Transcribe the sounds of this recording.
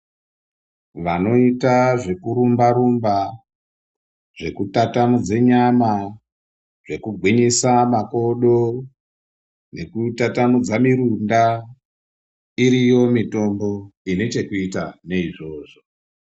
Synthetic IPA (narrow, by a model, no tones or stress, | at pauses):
ʋano̞itaʐe̞kuɾumbaɾumba | ʐ̥e̞kutatamud͡ze̞ɲama | ʐe̞kuɡʱwiɲisamako̞ɗo | ne̞kutatamud͡zamiɾunda | iɾijo̞mito̞mbo̞ine̞t͡ʃe̞kuitane̞iʐo̞ːʐo̞